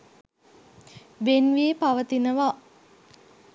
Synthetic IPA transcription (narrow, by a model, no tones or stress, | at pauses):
ʋenʋiepaʋət̪inəʋa